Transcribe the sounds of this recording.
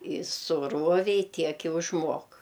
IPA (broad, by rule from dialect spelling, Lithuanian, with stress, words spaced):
ɪ sʊˈruɔʋʲɛɪ ˈtʲiɛk ɪ ʊʒˈmuɔk